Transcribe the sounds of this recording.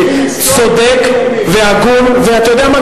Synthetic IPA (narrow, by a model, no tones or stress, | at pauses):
sod̪ek | veaɡulveat̪ajod̪eama